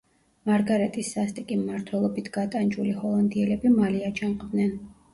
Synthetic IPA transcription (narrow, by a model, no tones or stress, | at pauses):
maɾɡaɾɛt̪ʼisːast̪ʼikʼimːaɾt̪ʰwɛlˠɔbit̪ʰɡ̥at̪ʼand͡ʒulihɔlˠɔnd̪iɛlɛbimaliat͡ʃʰamqʼvnɛn